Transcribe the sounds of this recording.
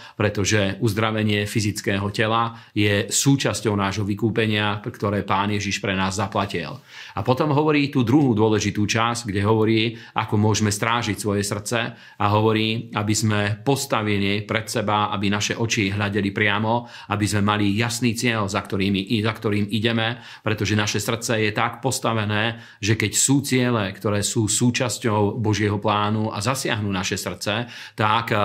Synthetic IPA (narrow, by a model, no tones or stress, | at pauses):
pɾɛt̪ɔʒɛuzd̪ɾaʋɛɲɪɛfizitt͡skɛːɦɔcɛla | jɛsuːt͡ʃascɔʊnaːʒɦɔʋikuːpɛɲɪapkt̪ɔɾɛːpaːnjɛʒiʃpɾɛnaːzːaplacḭl | apɔt̪ɔmɦɔʋɔɾiːt̪uːd̪ɾuɦuːd̪ʊɔlɛʒit̪uːt͡ʃazɡɟɛɦɔʋɔɾiːʔa̰kɔmʊɔʒmɛst̪ɾaːʒicsʋɔjɛsr̩t̪t͡sɛ | aɦɔʋɔɾiːabizmɛpɔst̪aʋilipɾɛt̪sɛbaa̰binaʃɛʔɔt͡ʃiɦʎaɟɛlipɾɪamɔ | abizmɛmalijasniːt͡sɪɛʎzakt̪ɔɾiːmiʔzakt̪ɔɾiːmiɟɛmɛ | pɾɛt̪ɔʒɛnaʃɛsr̩t̪t͡sɛjɛt̪akpɔst̪aʋɛnɛː | ʒɛkɛcsuːt͡sɪɛlɛkt̪ɔɾɛːsuːsuːt͡ʃascɔʊbɔʒɪɛɦɔplaːnua̰zasɪa̰ɦnunaʃɛsr̩t̪t͡sɛt̪ak